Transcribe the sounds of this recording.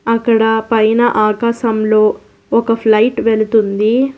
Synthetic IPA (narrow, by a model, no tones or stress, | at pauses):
ɐkːɐɽɐpɐjnɐʔaːkaːʃɐmlo̞ː | ɔkɐpʰlɐjʈʋelut̪und̪i